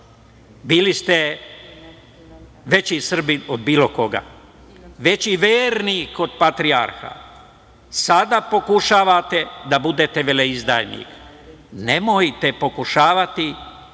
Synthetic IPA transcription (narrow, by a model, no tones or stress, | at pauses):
biːlist̪e | ʋe̞t͡ɕisr̩biod̪̚biːloko̞ɡa̰ | ʋe̞t͡ɕiʋeːɾniko̞d̪pat̪ɾiaɾxa̰ | sad̪apo̞kuʃaːʋat̪e̞d̪abud̪et̪eʋeleizd̪a̰jnḭk | nemojt̪e̞po̞kuʃaːʋat̪i